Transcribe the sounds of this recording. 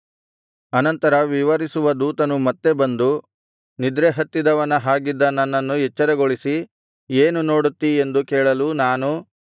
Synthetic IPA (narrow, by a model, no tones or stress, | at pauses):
ɐnɐnt̪ɐɾɐʋiʋɐɾisuʋɐd̪uːt̪ɐnumɐt̪ːe̞bɐnd̪u | nid̪ɾeɦɐt̪ːid̪ɐʋɐnɐɦaːɡid̪ːɐnːɐnːɐnːuɦɛt͡ʃːɐɾeɡoɭisi | eːnuno̞ːɽut̪ːie̞nd̪ukɛːɭɐlunaːnu